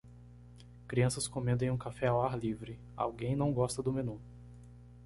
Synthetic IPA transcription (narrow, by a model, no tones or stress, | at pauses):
kɾiɐ̃sɐskõmẽnd̪ẽj̃ũkafɛawaɾlivɾɪ | a̰wɡẽj̃nɐ̃w̃ɡɔst̪ɐd̪ʊmẽnũ